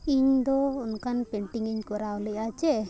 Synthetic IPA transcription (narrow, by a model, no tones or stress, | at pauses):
iɲd̪ɔunkanpeɳʈiŋiɲkɔɾawlɛjat͡ʃɛ